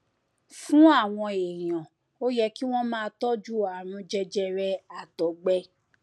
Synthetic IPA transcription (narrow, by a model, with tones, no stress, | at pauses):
fũ˨˦a˦˨w̃ɔ̃˧e˨j̃ã˨ | o˦jɛ˧ki˦w̃ɔ̃˦mãː˦˧tɔ˦d͡ʒu˦a˨ɾ̃ũ˧d͡ʒɛ˧d͡ʒɛ˧ɾɛ˧a˨tɔ˨˦ɡ͡bɛ˧